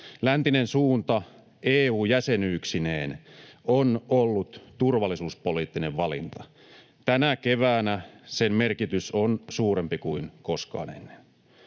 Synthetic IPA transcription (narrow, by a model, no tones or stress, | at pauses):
lænt̪inensuːnt̪ɑ | eːuːjæsenyːksineːnonolːut̪t̪urʋɑlisuːspoliːt̪ːineʋʋɑlḭnt̪ɑ | t̪ænækeʋæːnæsemme̞rkit̪ysonsuːɾempikuinkoskɑ̰ːnḛnːe̥n